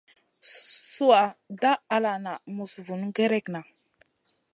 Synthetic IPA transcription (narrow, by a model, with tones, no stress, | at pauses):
su˦wa˨da˦a˨la˨na˨mu˨svu˨nɡe˦ɾe˦˨kna˨